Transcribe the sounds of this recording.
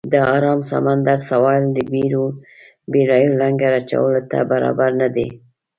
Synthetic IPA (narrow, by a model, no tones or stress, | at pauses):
d̪əɑɾɑmsa̰mand̪aɾsawɑld̪əbiɾo | beɽɑjolaŋɡaɾat͡ʃa̰wəlot̪a̰baɾɑ̰baɾnad̪e